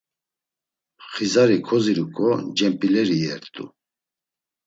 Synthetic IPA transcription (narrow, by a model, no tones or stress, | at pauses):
χizaɾikʰɔziɾukʼɔd͡ʒɛmpʼilɛɾijɛɾt̪ʼṵ